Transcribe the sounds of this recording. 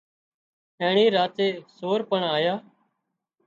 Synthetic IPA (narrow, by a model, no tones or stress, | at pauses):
ẽːɳĩːɾaːt̪eːsoːɾpəɳaːjaː